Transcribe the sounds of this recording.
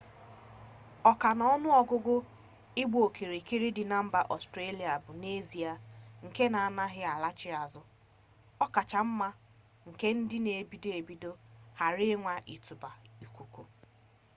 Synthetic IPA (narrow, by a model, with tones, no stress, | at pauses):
ɔ˨ka˨nɔ˦nʊ˦ɔ˨ɡʊ˦ɡʊ˦ | ɪ˦ɡ͡bo˨kʰi˨ɾi˨ki˦ɾi˦dɪ˨na˦m̩˦ba˨ʔɔ˨stɾe˦li˨a˨bʊ˨ne˦zi˨a˨ŋ̩˨ke˦na˨a˨na˦ɦɪ˦a˨la˦t͡ʃɪ˦a˨zʊ˦ | ɔ˦ka˨t͡ʃa˨m̩˦ma˦ | ŋ̩˨ke˦n̩˦dɪ˦ne˨bi˦de˨bi˨do˦ha˨ɾɪ˦ŋʷa˨ʔi˨tu˨ba˨i˨kʷu˨kʷu˨